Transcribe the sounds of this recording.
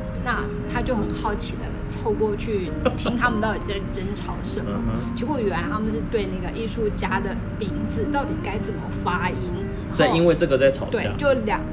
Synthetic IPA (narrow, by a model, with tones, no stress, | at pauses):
na˥˩ | t̪ʰa˥t͡ɕjo˥˩ʊxə˨˩nxɑ˥˩ʊt͡ɕʰi˨˩d̪ə̰˧˦t͡sʰo˥˧ʊkwɔ˥˧t͡ɕʰy˥˩ | t̪ʰi˥ŋt̪ʰa˥mə˨˧nt̪ɑ˥˩t̪i˨˩t͡sa˥˩ɪʈ͡ʂə˥nʈ͡ʂʰɑ˨˩˦ʊʂə˨˩˦mə˦t͡ɕʰi˧˥xu˥˩y˨˩˧nt̪ʰa˥mə˨nʂ̬ɻ̩˥˧t̪we˥˧ɪna˥˩ɡə˩ʔi˥˧ʂu˥˩t͡ɕja˥d̪ə˨˩ | pi˧˥ŋd͡zɹ̩˨˩t̪ɑ˥˩ʊt̪i˨˩ka˥ɪt͡sə˨˩mə˩fa˥i˥n˧ | a˥˩ɪi˥nwe˥˧ɪʈ͡ʂɤ˥˩ɡə˨˩t͡sa˥˩ɪt͡sʰɑ˨˩ʊt̪we˥˩a̰˥˧t͡ɕjo˥˩ʊljɑ̰˨˩˦